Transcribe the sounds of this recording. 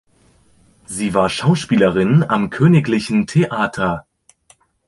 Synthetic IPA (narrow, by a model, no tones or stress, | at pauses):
ziːvaːɐʃaʊʃpiːləʁɪnamkʰøːnɪklɪçn̩tʰeʔaːtʰɐ